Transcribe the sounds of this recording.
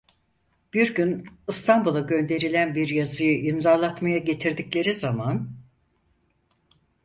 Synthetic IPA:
b̥iɾɟynɯst̪ʰanbulˠaɟø̞nd̪e̞ɾilʲænbiɾjazɯjɯʔimzaɾlˠat̪majaɟe̞t̪ʰiɾd̪iclʲe̞ɾizaman

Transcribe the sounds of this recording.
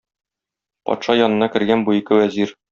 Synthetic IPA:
pɒ̰t̪ʃɑjɒnɤ̆nɑkɘ̆ɾɡænbuikɘwæziɾ

